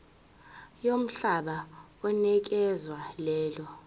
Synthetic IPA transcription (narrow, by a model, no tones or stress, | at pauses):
jom̩ɬaɓa | ɔnɛk̬ɛzwalɛːlɔ